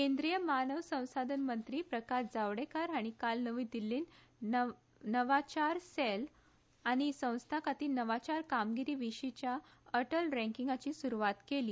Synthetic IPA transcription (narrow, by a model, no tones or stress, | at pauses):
kẽnd̪ɾijəmanəʋsə̃w̃sad̪ʱənmənt̪ɾiːpɾəkasd͡zaʋɽekaɾaɽ̃ikalnəʋiːd̪ilːiːn | nəʋat͡ɕaɾsel | aɽ̃isə̃w̃st̪ʰakat̪iːnəʋat͡ɕaɾkamɡiɾiːʋiɕit͡ɕjaəʈəlɾɛ̃ŋkiŋɡat͡ɕiːsuɾuʋat̪keliː